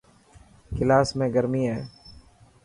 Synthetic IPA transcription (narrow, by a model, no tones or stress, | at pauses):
kɪlaːsmẽːɡəɾmiːɦɛː